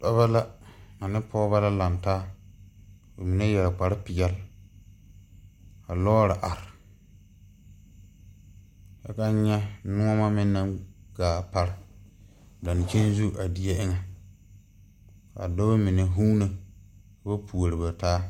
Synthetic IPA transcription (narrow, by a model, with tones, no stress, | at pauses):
tɔ˦βa˦la˦a˨nɪ˦pʰɔ˦ba˦la˦la˨n˨taː˦ | o˨mi˨ne˦jɛ˨k͡pa˨ɾɪ˦pɪ˨ɡɛ˦l | a˨lɔː˦ɾɪ˨ʔa˨ɾɪ˨ | ja˦ka˦ɲɛ˦nʊ̃˦a˦ma˦mɪ˦nːa˦mɡ̥aː˨pa˦ɾɪ˦ | da˨n˨t͡ʃe˦n˦zu˦ʔa˨di˦ja˦ʔɪ˦ŋa˨ | a̰˨do˦ba˦mi˨ne˨ɦu˦na˨kba˦pʰu˨o˨ɾɪ˨ba˨taː˦